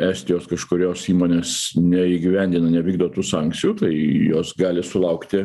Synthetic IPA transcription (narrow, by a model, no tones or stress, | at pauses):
æːsʲt̪ʲɪjoːskɐʃkʊɾʲoːsiːmoːnʲeːsnʲɛiːɡʲɪʋʲɛnʲd̪ʲɪnɐnʲɛʋʲiːɡ̚d̪oːt̪uːsɑˑŋkt̪sʲɪjuːt̪ɐɪjoːsɡɑːlʲɪsʊlˠɐʊkt̪ʲɪ